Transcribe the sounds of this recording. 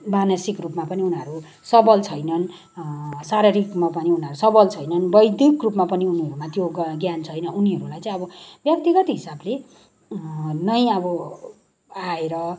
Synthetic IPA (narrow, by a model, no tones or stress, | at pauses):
manʌsikrupmapʌniunɦʌɾu | sʌbʌlt͡sʰʌjnʌn | saɾʌɾikmapʌniunʌɾusʌbʌlt͡sʰʌjnʌnbʌjd̪ikrupmapʌniuniɦʌɾumat̪joɡjant͡sʰʌjnʌuniɦʌɾulajt͡sʌ̃ĩj̃ʌbʌbjʌk̚t̪iɡʌt̪iɦisable | nʌjʌbʌ | aeɾʌ